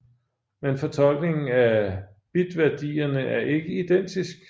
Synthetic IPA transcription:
menfɒ̽t͡sʰɒ̽l̰ɡ̥ne̝ŋn̩æ | b̥id̥ʋæɐd̥ḭːɐnəʔæɐʔe̝ɡ̥əid̥en̰d̥isɡ̥

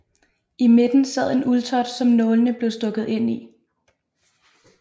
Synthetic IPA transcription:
ime̝d̥n̩sɛð̞̰ˠe̝nʔult͡sʰɒ̽d̥sɒ̽mnɔ̽ːlənəb̥le̝ʊsd̥ɔ̽ɡ̥ð̞̩ˠe̝n̰i

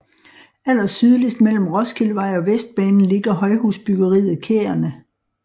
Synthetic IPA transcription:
æl̰ɐsyð̞ˠlisd̥mel̰m̩ʁɒ̽skʰilʋɑ̈ɪ̰ɒ̽ʋesd̥̚b̥ɛːnn̩le̝ɡ̥ɐɦɒ̽ɪɦusb̥yɡ̥ɐʁḭːð̞̩ˠkʰḛːɐnə

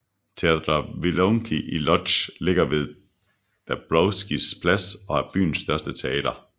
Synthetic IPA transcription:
t͡sʰeæd̥ʁɐʋiloŋkʰiʔilɒ̥ɕle̝ɡ̥ɐʋe̝ðˠ | d̥æb̥lɒʊsɡ̥ispʰlæsɒ̽æɐb̥y̰ːn̩sːd̥ɶɐsd̥ət͡sʰe̝ɛːd̥ɐ

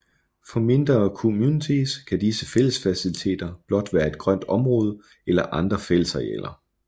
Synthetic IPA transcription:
fɒ̽me̝nd̥ʁɐːkʰomjuːnit͡sʰiskʰæd̥isəfel̰əsfæsilit͡sʰe̝̰ːd̥ɐb̥lɒ̽d̥ʋæːɐe̝d̥̚ɡ̥ʁɶn̰d̥ɒ̽mʁɔ̽ːð̞ˠə | elɐʔɑ̈nd̥ʁɐfel̰əsʁɛḛːlɐ

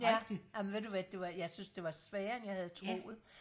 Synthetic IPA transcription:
jæ̥ɑmnʋe̝ðˠd̥uʋæd̥e̝ʋɑ̈jɑ̈ɪsynsd̥e̝ʋɑ̈sʋɛːɐenjɑ̈ɪhæð̩ˠt͡sʰʁo̝̰ːð̩ˠ

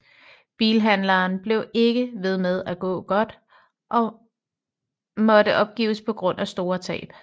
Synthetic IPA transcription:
b̥iːlɦænlɐːnb̥le̝ʊe̝ɡ̥əʋe̝ð̞ˠmeð̞ˠæɡ̥ɔ̰̽ːɡ̥ɒ̽d̥ | ʔɒ̽ | mɒ̽ɾəʔɒ̽b̥̚ɡ̥ḭːspʰɒ̽ɡ̥ʁɔ̽n̰ʔæsd̥o̝ːɐt͡sʰɛ̰ːb̥

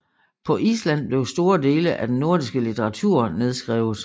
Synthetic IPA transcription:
pʰɒ̽ʔiːslæn̰b̥le̝ʊsd̥o̝ːɐd̥e̝ːləʔæd̥enːo̝ɐd̥isɡ̥əlit͡sʰeʁɑ̈t͡sʰuɐ̰ne̝ð̞ˠsɡ̥ʁɛ̰ːʊð̩ˠ

